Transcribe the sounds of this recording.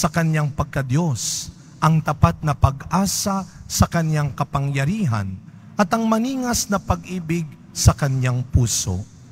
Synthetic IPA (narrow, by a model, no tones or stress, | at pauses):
sɐkɐnjaŋpɐɡ̚kɐd̪jo̞s | ʔɐŋt̪ɐpat̪̚nɐpɐɡʔaːsasɐkɐnjaŋkɐpɐŋjɐɾiːɦɐ̰n | ʔɐt̪ɐŋmɐniːŋɐsnɐpɐɡʔiːbɪɡ̚ | sɐkɐnjaŋpuːso̰ʔ